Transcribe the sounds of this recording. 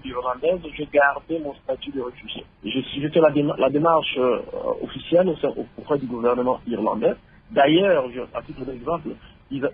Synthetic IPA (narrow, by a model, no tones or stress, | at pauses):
liʁlɑ̃d̪ɛzʒeɡaʁd̪emɔ̃st̪at̪yd̪əʁefyʒjḛ | eʒesʒəfɛlad̪emlad̪emaʁʃo̰fisjɛlosɛ̃ʔo̰opʁɛd̪yɡuvɛʁnəmɑ̃iʁlɑ̰̃d̪ɛ | d̪ajœːʁʒəa̰t̪it̪χəd̪ɛɡzɑ̃pl | iza